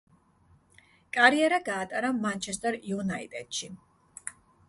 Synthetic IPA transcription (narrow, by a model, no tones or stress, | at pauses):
kʼaɾiɛɾaɡaːt̪ʼaɾamant͡ʃʰɛst̪ʼɛɾiunait̪ʼɛ̰t̪ʃi